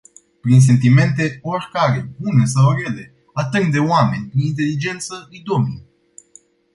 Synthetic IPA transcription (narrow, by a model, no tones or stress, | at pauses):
pɾins̬e̞nt̪̬ime̞nt̪e̞o̞rkaɾe̞bune̞s̬awrele̞ | at̪ɨnd̪e̞oame̞nʲpɾinint̪e̞lid͡ʒe̞nt̪səɨijd̪o̞mḭ